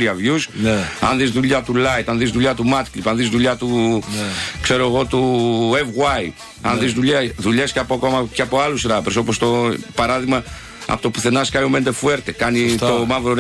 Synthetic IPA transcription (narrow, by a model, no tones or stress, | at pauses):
ɾiɐvjusnɐ̰nðizðuʎat̪ulajt̪anðizðuʎat̪umat̪klipanðizðuʎat̪u | kseɾoɣot̪uevɣwaj | a̰nðizðuʎaðuʎeskɐpokomɐkɐpoalusɾapɾesopost̪opaɾaðiɣmɐ | ɐ̰pot̪opuθenaskajomend̪efueɾt̪ekanit̪omavɾon